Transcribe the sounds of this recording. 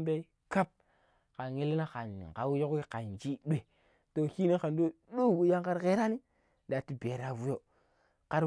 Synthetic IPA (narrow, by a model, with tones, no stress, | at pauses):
mbe˦i˦ | ka˦p̚ | ka˨e˦li˦na˦ka˨n˨ɡa˨wjo˦ki˦ka˨nd͡ʒi˦ɗʷe˨ | to˨ki˦ni˦ka˨ndo˦ɗu˦˨wu˨ja˦ŋka˦ɾke˦ɾa˦ni˦ | da˨ti˦be˨ɾa˨vu˦jo˦ | ka˦ɾ